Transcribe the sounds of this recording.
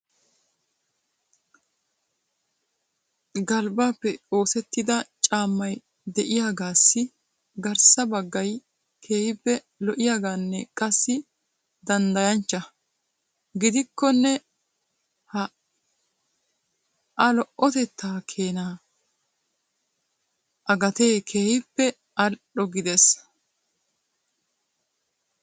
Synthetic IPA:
ɡɐlbaːpːɛo̞ːsɛt̪ːɪd̪ɐt͡ʃʼaːmːɐj | d̪ɛʔɪjaːɡaːsːɪ | ɡɐɾsɐbɐɡːɐj | kʰe̞ːhɪbːɛ | lɔʔɪjaːɡaːnːɛkʼɐsːɪ | d̪ɐnd̪ɐjɐnt͡ʃːɐ | ɡɪd̪ɪkːɔnːɛ | hɐ | ʔɐlɔʔɔt̪ɛt̪ːaːkʰeːnaː | ʔɐɡɐt̪e̞ːkʰe̞ːhɪpːɛ | ɐlɗɔɡɪd̪ɛs

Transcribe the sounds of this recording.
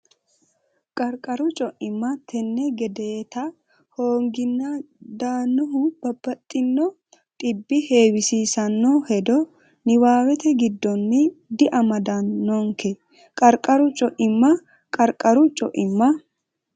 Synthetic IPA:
kʼɐɾkʼɐɾʊt͡ʃʼɔʔɪmːɐt̪ʰɛnːɛɡɛd̪eːt̪ɐ | hoːŋɡɪnːɐ | d̪aːnːɔɦʊb̥ɐbːɐt̪ʼːɪnːɔ | t̪ʼɪbːɪhe̞ːwɪsiːsɐnːɔhɛd̪ɔ | nɪwaːwɛt̪ɛɡɪd̪ːɔnːɪd̪ɪʔɐmɐd̪ɐnːɔŋkʰɛ | kʼɐɾkʼɐɾʊt͡ʃʼɔʔɪmːɐ | kʼɐɾkʼɐɾʊt͡ʃʼɔʔɪmːɐ

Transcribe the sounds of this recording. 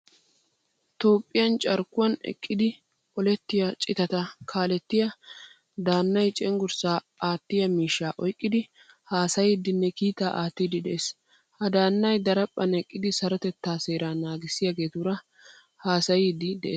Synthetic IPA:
t̪o̞ːpʼːɪjɐnt͡ʃʼɐɾkːʊwɐnɛ̰kʼːɪd̪ɪ | ʔɔlɛt̪ːɪjɐt͡ʃʼɪt̪ɐt̪ɐkʰaːlɛt̪ːɪjɐ | d̪aːnːɐjt͡ʃʼɛŋɡʊɾsaː | aːt̪ːɪjɐmiːʃːaːʔɔjkʼːɪd̪ɪ | haːsɐjɪd̪ːɪnːɛkiːt̪aːʔaːt̪ːid̪ɪd̪ɛʔeːs | hɐd̪aːnːɐjd̪ɐɾɐpʼːɐnɛkʼːɪd̪ɪsɐɾɔt̪ɛt̪ːaːseːɾaːnaːɡɪsɪjɐɡe̞ːt̪uɾɐ | haːsɐjid̪ːɪd̪ɛʔeː

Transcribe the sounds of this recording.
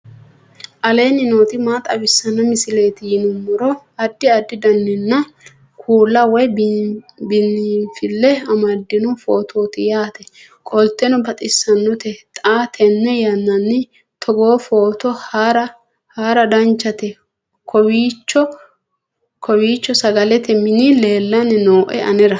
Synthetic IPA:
ʔɐle̞ːnɪnoːt̪ɪmaːt̪ʼɐbɪsːɐnːɐmɪsɪle̞ːt̪ɪjɪnʊmːʊɾɔ | ɐd̪ːɪɐd̪ːɪd̪ɐnːɪnːɐ | kʰuːlːɐwɛj | bɪnːɪfɪlːɛɐmɐd̪ːɪnɔfoːt̪ʰoːt̪ɪjaːt̪ɛ | kʼɔlt̪ɛnɔbɐt̪ʼɪsːɐnːɔt̪ɛt̪ʼaːt̪ʰɛnːɛjɐnːɐnːɪ | t̪ʰɔɡo̞ːfo̞ːt̪ɔhaɾɐ | haːɾɐd̪ɐnt͡ʃːɐt̪ɛ | kʰɔwiːt͡ʃːɔ | kɔwiːt͡ʃːɔsɐɡɐlɛt̪ɛmɪnɪle̞ːlːɐnɪnoːʔɛ̰ɐ̰nɛɾɐ

